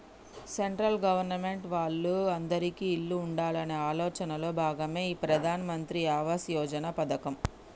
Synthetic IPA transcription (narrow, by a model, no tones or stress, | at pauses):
seɳʈɾɐlɡɐʋɐɾnɐme̞ɳʈʋaːɭːuɐnd̪ɐɾikiːɭːuːɳɖaːlɐneːaːlɔːt͡ʃɐnɐlo̞ːbʱaːɡɐme̞ːiːpɾɐd̪ʱaːnɐmɐnt̪ɾiaːʋaːsjɔːd͡ʒɐnapɐd̪ɐkɐm